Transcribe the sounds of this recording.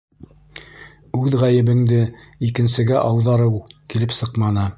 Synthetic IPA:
ʉðʁæjɘ̆βɘ̆ŋd̪ɘikɘ̆nsɘ̆ɡæʔɑwðɑɾɤwkilɘpsɤqmɑnɤ

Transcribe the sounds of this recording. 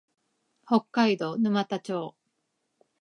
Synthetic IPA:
ho̞kːaid̪o̞nɯ̟mat̪at͡ɕo̞ː

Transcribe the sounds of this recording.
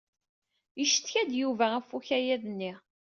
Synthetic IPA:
jəʃə̥t̪çæd̪juvææfːuçæjæðnːi

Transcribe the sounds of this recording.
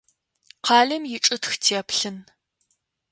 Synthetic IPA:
qʰɑːɮɨmjɪʈ͡ʂʼɨtxtʰepɬɨn

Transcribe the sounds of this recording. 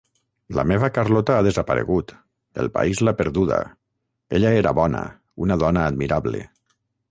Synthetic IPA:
la̰meβakarlɔt̪aaðezapaɾḛɣut̪ | dḛlˠpa̰izlapeɾðuða̰ | eʎaeɾa̰βɔna̰ | unaðɔnaːd̪miɾaβlḛ

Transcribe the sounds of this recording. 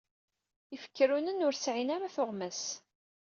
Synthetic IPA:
əfə̥kːəɾunənʊɾsʕinaɾaθʊʁmæs

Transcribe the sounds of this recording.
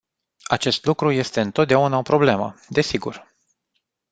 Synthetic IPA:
at͡ʃe̞st̪lukɾuje̞st̪e̞ɨnt̪ot̪̚d̪eaunaopɾo̞ble̞mə̰d̪e̞siɡur

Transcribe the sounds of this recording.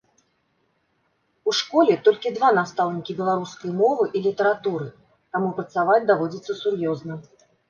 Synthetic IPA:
uʂkɔlʲɛt̪ɔlʲkʲid̪vanast̪awnʲikʲibʲɛlˠaɾuskɐjmɔvɨʔilʲit̪ɐɾat̪uɾɨ | t̪amupɾɐt̪savad͡zʲd̪avɔd͡zʲit̪sːɐsurjɔznɐ

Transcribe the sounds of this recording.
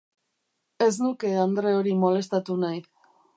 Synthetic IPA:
e̞snuke̞and̪ɾe̞o̞ɾimo̞le̞st̪at̪unaj

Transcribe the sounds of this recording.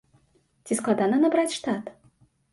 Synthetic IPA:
t͡sʲisklˠad̪anɐnabɾat͡sʲʂt̪at̪

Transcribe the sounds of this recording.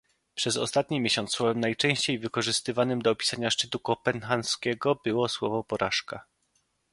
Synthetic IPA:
pʂɛzɔ̰st̪at̪ɲimʲjeɕɔnt̪swɔvɛmnajt͡ʂɛ̃w̃ɕt͡ɕejvɘkɔʐɘst̪ɘvanɘmd̪ɔːpʲi̥saɲaʂt͡ʂɘt̪ukɔpɛnxanskʲɛɡɔbɘwɔswɔvɔpɔɾʔaʂka

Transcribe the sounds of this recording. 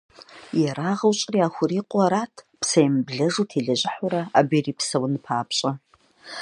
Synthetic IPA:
jɛɾaːʁɐwt͡ʃʼriaːxʷʊriːqʷʼaɾaːtʰ | pʰsɐjmbɮɐʐutʰiɮɐʒɪħʊɾɐabiriːpʰsɐwnɨpʰaːpʰɕʼɐ

